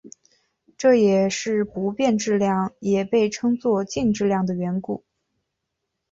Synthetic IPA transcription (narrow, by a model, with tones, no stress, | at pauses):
ʈ͡ʂɤ˥˩jɛ˨˩ʂɻ̩˥˩pu˧˥pjɛ˥˧nʈ͡ʂɻ̩˥˧ljɑ˥˩ŋjɛ˨˩pe˥˩ɪʈ͡ʂʰɤ˥ŋt͡swɔ˥˧t͡ɕi˥˧ŋʈ͡ʂɻ̩˥˧ljɑ˥˩ŋd̪ə˩ɥɛ˧˥nku˥˩˦